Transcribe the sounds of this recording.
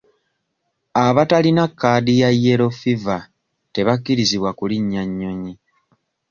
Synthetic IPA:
aβatalinakːadijajːe̞ɾo̞fiva | te̞βakːiɾiziβwakuliɲːaɲːo̞ɲi

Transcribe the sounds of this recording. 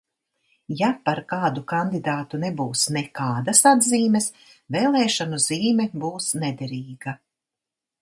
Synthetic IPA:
japaɾkaːd̪ukand̪id̪aːt̪unebuːsnekaːd̪ɐsad̪ziːmɛs | veːlˠɛːʃanuziːmɛbuːsnɛd̪ɛɾiːɡɐ

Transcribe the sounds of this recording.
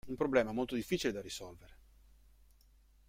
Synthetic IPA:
umpɾoblɛːmamolt̪od̪ifːiːt͡ʃiled̪arisɔlveɾe

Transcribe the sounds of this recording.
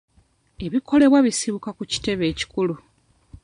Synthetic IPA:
e̞βiko̞le̞βwaβisiβukakuci̥te̞βe̞ːci̥kulu

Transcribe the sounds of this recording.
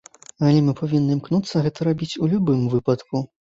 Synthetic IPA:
alʲɛmɨpavʲinːɨmknut̪sːɐɣɛt̪ɐɾabʲit͡sʲulʲubɨmvɨpɐt̪ku

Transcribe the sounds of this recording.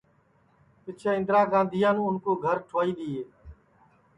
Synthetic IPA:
pɪt͡ʃʰẽːɪ̃nd̪ɾãːɡãːnd̪ʱɪjãːnũːʊnkoːɡʱəɾʈʰoːiːɗ̪iːɦeː

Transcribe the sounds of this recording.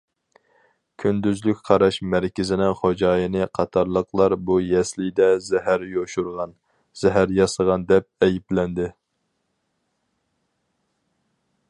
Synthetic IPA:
kʲʰynd̪yzlykʲqʰɑɾɑʃmæɾkʲɪzɪnɪŋχod͡ʒɑːjɨnɨqʰɑt̪ʰɑɾlˠəqʰlˠɑɾbujɛslɪd̪ɛzɛɦæɾjoʃuɾʁɑn | z̥ɛɦæɾjɑsəʁɑnd̪ɛp̚ɛjiplɛnd̪ɪ

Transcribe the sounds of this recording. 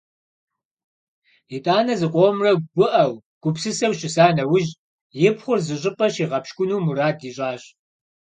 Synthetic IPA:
ɪtʼaːnɐzɨqʷʼoːmrɐɡʷʊʔɐw | ɡ̥ʷʊpsɨsɐwɕɪsaːnɐwʊʑ | jɪpʰχʷʊrzɨɕʼɪpʼɐɕiːʁɐpʃkʷʊnuːmuɾaːdiːɕʼaːɕ

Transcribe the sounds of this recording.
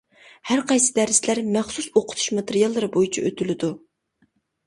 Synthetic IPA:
hæɾqɑjsɨ̥d̪æɾslæɾmɛχsusoqʰʊ̥t̪ʰu̥ʃmɑt̪eɾijɑlˠːɨɾɨbojit͡ʃʰiʔøt̪ʰylɪd̪u

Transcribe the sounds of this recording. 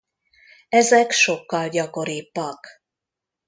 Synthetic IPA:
ɛzɛkʃo̞kːɒlɟɒko̞ɾiːbːɒk

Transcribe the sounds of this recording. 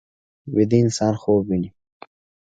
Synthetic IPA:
wid̪iːnsɑːnxoːbːini

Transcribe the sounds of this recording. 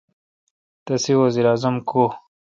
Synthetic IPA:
t̪ɐsiwɐziɾaːzɐmkʰo

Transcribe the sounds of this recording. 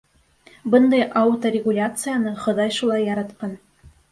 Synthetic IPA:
bɤnd̪ɑjʔɑut̪oɾʲɪɡulʲat̪sɨjanɤχŏðɑjʃulˠɑjːɑɾɑt̪qɑn

